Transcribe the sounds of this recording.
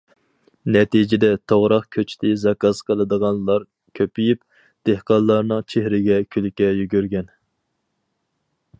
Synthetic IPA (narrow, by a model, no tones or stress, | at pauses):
nɛt̪id͡ʒɪd̪ɛt̪ʰoʁɾɑqkʲʰøt͡ʃʰt̪ʰɪzɑkɑzqʰəlˠɨd̪əʁɑnlˠɑɾ | kʲʰøpijyp | d̪̥ehqɑnlːˠɑɾnɨŋt͡ʃʰehɾɪɡʲɛkʲʰylɪkʲːɛjyɡʲyɾɡʲɛn